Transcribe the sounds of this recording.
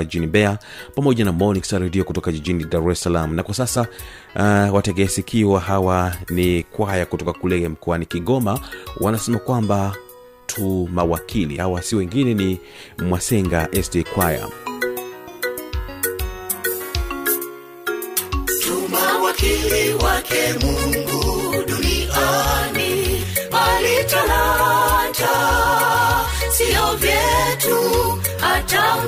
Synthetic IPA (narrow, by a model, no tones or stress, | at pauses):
iʄinimbɛa | pamɔʄanamɔniksaɾɛdiɔkutɔkad͡ʒiʄinidaɾɾɛsalam̩nakwasasa | watɛɡɛsikʰiwaɦawanikwajakutɔkakulɛm̩kɔanikiɡɔmawʔanasɛmakwamba | tʰumawakʰilḭhawasiwɛŋɡinɛni | mwasɛŋɡaʔɛsdɛkwaja̰ | tumawakiliwakʰɛmuŋɡuɗunianimalitala | d͡ʒa | siɔvjɛtu | hata